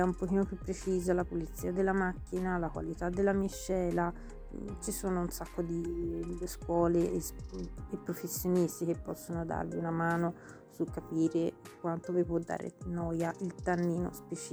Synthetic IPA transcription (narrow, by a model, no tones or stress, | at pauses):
ɛumpok̟iːnopjupːɾet͡ʃiːzalapolit̪sːiːad̪elːamakːinalakwa̰lit̪ad̪ːelːamiʃːɛːla | t͡ʃisoːnounsakːod̪iskwɔːlesepːɾofesːjonist̪ik̟epːɔsːonod̪a̰ɾviunamaːno | sukːapiːɾekwant̪ovipwɔd̪ːa̰ːɾḛnɔːjaʔilt̪anːiːno̰spet͡ʃi